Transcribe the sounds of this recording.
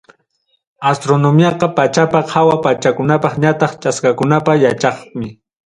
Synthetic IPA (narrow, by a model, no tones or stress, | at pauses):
ast̪ɾonomjɑqɑpat͡ʃapahawapat͡ʃakʊnapɑχɲat̪ɑχt͡ʃaskakʊnapajat͡ʃɑχmɪ